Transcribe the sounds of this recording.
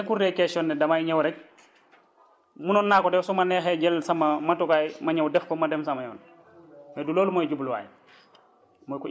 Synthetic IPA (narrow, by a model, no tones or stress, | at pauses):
kuɾekɛsɔnːɛdɐmajɲɐwɾɛk̚ | munɔnːaːkɔdɛwsɔmɐnɛxɛɟɛlsɐmɐmɐtukaːjmɐɲɐwdɛfkɔmɐdɛmsɐmɐjɔ̰ːn | mɛduloːlumɔːjɟublwa̰ːj | mɔkɔ